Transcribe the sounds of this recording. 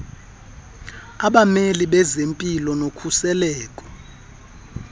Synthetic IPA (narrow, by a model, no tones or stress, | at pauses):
aɓameliɓɛzempʼilɔnokʰusɛlɛːkʼɔ̥